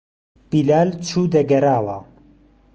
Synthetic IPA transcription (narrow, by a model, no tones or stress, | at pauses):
b̥ilaːlt͡ʃʰuːd̪ɐɡɐɾaːwɐ